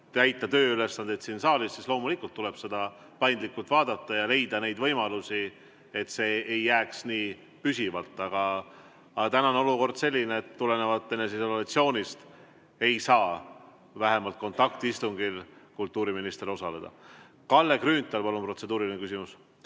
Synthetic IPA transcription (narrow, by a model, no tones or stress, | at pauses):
t̪æjt̪ːˑɑt̪ø̞ːyle̞sːɑnd̪̥e̞t̪sinsɑːlissislo̞ːmulikult̪ːule̞b̥se̞d̪̥ɑ | pɑjnd̪likːˑult̪vɑːd̪̥ɑt̪ːˑɑjɑle̞jd̪̥ɑne̞jd̪vɤ̞jmɑlusi | et̪se̞ːejːæːksniː | pysivɑlt̪ːˑɑɡ̥ɑ | ɑɡɑt̪ænɑono̞luko̞rd̪̥se̞lʲːineet̪ːule̞ne̞vɑt̪ːene̞s̬eisollɑt̪sio̞ːnʲist̪ | e̞jsɑː | væɦe̞mɑlt̪̚ko̞nt̪ːˑɑkt̪iist̪uŋɡ̥ilkult̪ːˑuːɾiminist̪eɾo̞sɑle̞d̪̥ɑ̰ | kɑlːe̞kryːnt̪ːˑɑlpɑlunpro̞t̪se̞d̪uːɾilinekysʲimus